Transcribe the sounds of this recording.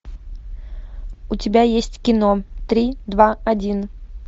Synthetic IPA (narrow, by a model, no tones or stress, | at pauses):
ʊtʲɪbʲajesʲtʲkʲɪnot̪ɾʲid̪vaɐdʲin